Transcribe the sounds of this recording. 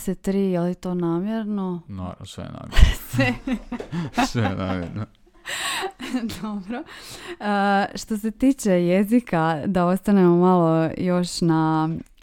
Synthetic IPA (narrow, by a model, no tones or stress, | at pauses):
set̪ɾiːjelit̪o̞ːnaːmjeɾnona̰sʋḛna̰ːmsʋe | sʋena̰ːmjḛɾno | d̪obɾo | ʃt̪o̞se̞t̪iːt͡ʃe̞jezikad̪ao̞st̪anemomalˠojo̞ʃna